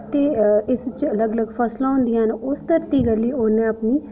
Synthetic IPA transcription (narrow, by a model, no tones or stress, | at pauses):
t̪eːɪst͡ʃələɡələɡpʰəslaʊ̃nd̪ijanʊst̪əɾt̪iːɡəliːonẽəpniː